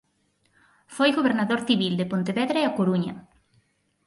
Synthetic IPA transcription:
fojɣoβeɾnaðoɾθiβild̪epont̪eβɛðɾaeakoɾuɲɐ̰

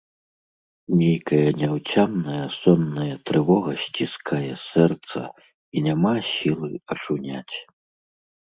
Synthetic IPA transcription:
nʲejkɐjɐnʲawt͡sʲamnɐjɐsɔnːɐjɐt̪ɾɨvɔɣɐɕʲt͡sʲiskʰajɛsɛrt̪sɐ̰ | inʲamasʲilˠɨɐt͡ʂunʲa̰t͡sʲ

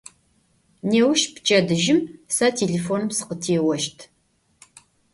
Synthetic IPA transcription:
neːwʃpt͡ʃʼɐdɨʒɪmsɐtʰeːɮefoːnɨmsɨ̥qətʰeːwɐʃtʰ

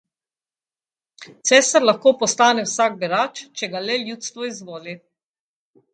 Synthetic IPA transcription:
t̪sɛːsaɾlaxkoːpɔst̪aːnɛwsaɡ̚biɾaːt͡ʃt͡ʃɛɡalɛljuːt̪st̪ʋɔizʋoːli

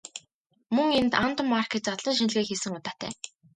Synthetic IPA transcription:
mɵŋent̪ant̪ʊ̆mːarkʰett͡sɔt̪ɮɞ̆nʃ̬inɮɣeːkxesɘ̆ŋʊt̪aːt̪ʰæ̰ː

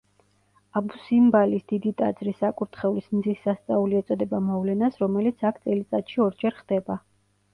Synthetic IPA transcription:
abusimbalisd̪̥id̪it̪ʼa̰d̪zɾisakʼuɾt̪ʰχɛulismd̪zisːast̪sʼauliɛt̪sʼɔd̪ɛbamɔvlɛnasɾɔmɛlit̪sʰakʰt̪sʼɛlit̪sʼat̪ʃiɔɾd͡ʒɛɾχd̪̥ɛba

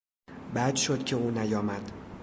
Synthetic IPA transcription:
bæd̪ʃod̪̥cʰe̞uːnæjɒːmæd̪̥

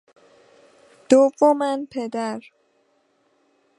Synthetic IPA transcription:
d̪̥ovomænpʰed̪æɾ

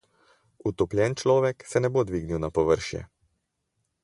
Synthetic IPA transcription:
ut̪ɔplʲjɛnt͡ʃlɔːʋɛksɛnɛbod̪ʋiːɡniwnapɔʋəɾʃjɛ̰

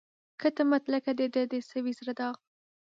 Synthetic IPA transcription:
kət̪amat̪lakad̪ed̪ed̪esawizɾad̪ɑɣ

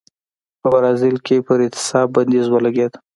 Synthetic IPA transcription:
pəbaɾɑzɪlkepəɾɪt̪ɪ̥sɑbbːand̪izwəlaɡed̪

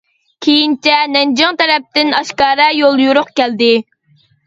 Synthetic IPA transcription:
kʲʰejint͡ʃʰɛnɛnd͡ʒɑŋt̪ɛɾɛp̚t̪ɪnɑʃkɑːɾɛjolˠjuɾʊqkʲæld̪ɪ

